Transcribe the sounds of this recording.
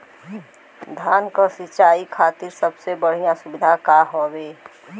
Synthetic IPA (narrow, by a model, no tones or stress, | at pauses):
d̪ʱaːnkasɪt͡ʃaːikʰaːt̪iɾsəbsebəɽ̤ijãsʊbɪd̪ʱakaɦobeː